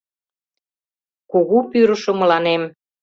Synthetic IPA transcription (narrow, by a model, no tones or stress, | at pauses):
kuɣupyɾə̆ʃŏmə̆lɑnem